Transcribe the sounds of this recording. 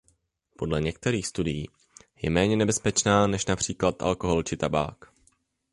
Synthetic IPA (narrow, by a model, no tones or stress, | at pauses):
po̞dlɛɲɛk̚t̪ɛɾiːxst̪udɪjiː | jɛmɛːɲɛnɛbɛspɛt͡ʃnaːnɛʃnapr̝̥iːklat̪ʔa̰lko̞ɦo̞lt͡ʃɪt̪aba̰ːk